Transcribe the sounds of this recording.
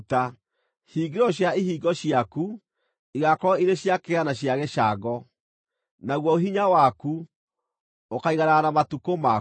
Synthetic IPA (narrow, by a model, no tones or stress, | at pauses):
ta | hiːɡeɾɔɕjaiɦiːɡɔɕjaku | iɣakɔiɾeɕjakeɣanaɕjaɣɛʃaɡɔ | naɣwɔoɦiɲawaku | okaiɣaɾanamatukoma